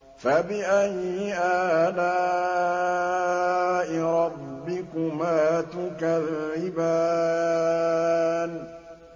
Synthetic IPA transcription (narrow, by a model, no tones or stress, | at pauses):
fabɪʔajːɪʔaːdaː | ʔɪɾˤɑbːɪkʊmaːt̪ʊkaðɪba | n